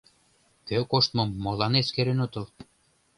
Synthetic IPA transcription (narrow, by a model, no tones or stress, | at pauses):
køkoʃt̪mɤ̆mːolɑneskeɾenot̪ɤ̆l